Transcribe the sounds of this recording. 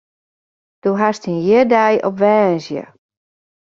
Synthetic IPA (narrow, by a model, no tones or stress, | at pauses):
d̥oɦastinjɪrdɛjɔpʋɛːnzjə̰